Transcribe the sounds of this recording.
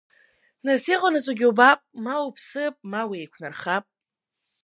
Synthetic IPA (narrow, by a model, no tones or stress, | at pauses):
nasiqʼanat͡sʼaɡʲɪwbapʼmawupʰsɨpʼmawiejkʷʰnarχapʼ